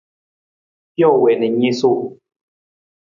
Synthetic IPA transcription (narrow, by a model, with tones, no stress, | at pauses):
jo˥˨we˨nɛ˨ji˦su˥˦˨